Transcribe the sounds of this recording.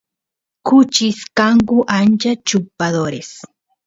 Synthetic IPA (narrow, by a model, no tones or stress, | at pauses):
kʊt͡ʃɪskaŋkʊʔant͡ʃat͡ʃʊpːad̪oɾes